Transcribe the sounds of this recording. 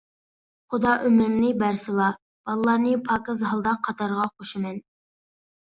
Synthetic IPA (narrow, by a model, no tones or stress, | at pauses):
χud̪ɑʔømɪɾɪnɨbæɾsɨlˠɑ | b̥ɑlˠlˠɑːɾnɨpʰɑːkɑzɦɑlˠd̪ɑqʰːɑt̪ʰɑɾʁɑχoʃimɛn